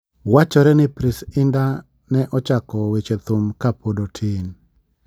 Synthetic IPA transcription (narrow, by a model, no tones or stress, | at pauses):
wat͡ʃɔɾɛnɪpɾɪsɪnda | nɛʔɔt͡ʃakɔwet͡ʃet̪ʊmkapodotʰɪn